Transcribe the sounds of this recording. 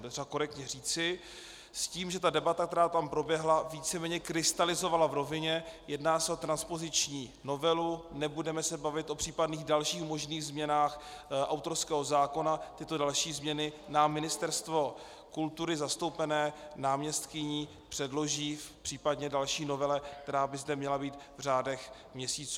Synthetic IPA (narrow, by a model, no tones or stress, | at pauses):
ɛt̪rɛbako̞ɾɛk̚t̪ɲɛr̝iːt͡sɪ | sciːmʒɛt̪adɛbat̪akt̪ɛɾaːt̪ampɾo̞bjɛɦlaviːt͡sɛmɛːɲɛkɾɪst̪alɪzo̞valavɾo̞vɪɲɛjɛdnaːsɛo̞t̪ɾanspo̞zɪt͡ʃɲiːno̞vɛlunɛbudɛmɛsɛbavɪt̪ʔo̞pr̝̥iːpadniːɣdalʃiːxmo̞ʒniːɣzmɲɛnaːx | ʔa̰wt̪o̞ɾskɛːɦo̞zaːko̞nat̪ɪt̪o̞dalʃiːzmɲɛnɪ | namɪnɪst̪ɛɾst̪vo̞ | kult̪uɾɪzast̪owpɛnɛːnaːmɲɛst̪kɪɲiː | pr̝̥ɛdlo̞ʒiːfpr̥iːpadɲɛdalʃiːno̞vɛlɛk̚t̪ɛɾaːbɪzdɛmɲɛlabiːt̪vr̝aːdɛx | mɲɛsiːt͡suː